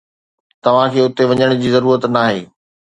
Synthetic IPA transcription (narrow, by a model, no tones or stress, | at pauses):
t̪ɐʋ̤ãkʰeːʊt̪eʋɐɲəɽ̃d͡ʑiːzɐɾuːɾət̪naːɦeː